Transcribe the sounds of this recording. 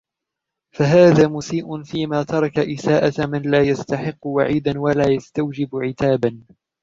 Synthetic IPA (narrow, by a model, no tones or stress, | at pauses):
faɦaːðaːmʊsiːʔʊnfiːmaːt̪ɑɾˤɑkaʔɪsaːʔamanlaːjast̪aħɪqːʊwaʕiːd̪anwalaːjast̪awd͡ʒɪbʕɪt̪aːban